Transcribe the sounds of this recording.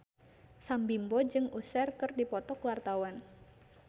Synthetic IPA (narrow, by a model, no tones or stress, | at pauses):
sambimbɔd͡ʒɨŋusɛrkɨrdipɔt̪ɔkwart̪awan